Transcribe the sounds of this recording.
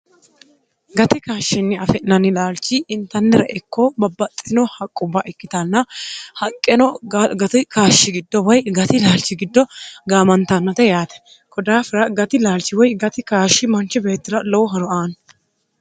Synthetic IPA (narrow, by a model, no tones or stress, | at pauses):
ɡɐt̪ɪkaːʃːɪnːɪɐfɛʔnɐnɪlaːlt͡ʃːɪɪnt̪ɐnːɪɾɐʔɛkːɔbɐbːɐt̪ʼːɪnɔhɐkʼːʊbːɐʔɛkːɪt̪ɐnːɐhɐkʼːɛnɔɡɐt̪ɪkaːʃːɪɡɪd̪ːɔwɐjɡɐt̪ɪlaːlt͡ʃːɪɡɪd̪ːɔɡaːmɐnt̪ɐnːɐt̪ɛjaːt̪ɛ̥ | kɔd̪aːfɪɾɐɡɐt̪ɪlaːlt͡ʃːɪwɔjɡɐt̪ɪkaːʃːɪmɐnt͡ʃːɪbe̞ːt̪ːɪɾɐlɔwʊɦɐɾɔaːn